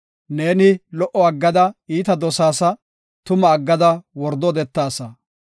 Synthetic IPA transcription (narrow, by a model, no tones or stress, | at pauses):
ne̞ːnɪlɔʔɔɐɡːɐd̪ɐiːt̪ɐd̪ɔsaːsɐ | t̪ʊmɐːɡːɐd̪ɐwɔɾd̪ɔd̪ɛt̪ːaːsɐ